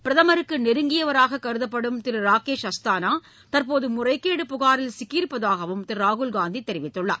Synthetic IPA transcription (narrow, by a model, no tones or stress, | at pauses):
pɪɾɐðɐmɐɾɯkːɯnɛɾɯŋɡɪjɐʋɐɾaːɣɐkːɐɾɯðɐpːɐɽɯmt̪ɪɾɯɾaːkeːʂɐst̪aːnaː | t̪ɐɾpoːðɯmʊrɐɪkːeːɽɯpʊɣaːɾɪlsɪkːiːɾpːɐðaːɣɐʋɯmt̪ɪɾaːɣʊlɡaːnd̪it̪ːɛɾɪʋɪt̪ːɯɭːɐ̰